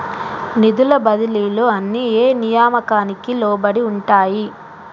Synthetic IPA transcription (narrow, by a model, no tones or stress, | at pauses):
nid̪ulɐbɐd̪ɐliːloːɐnːieːnijaːmɐkaːnikilɔːbɐɽiuɳʈaːji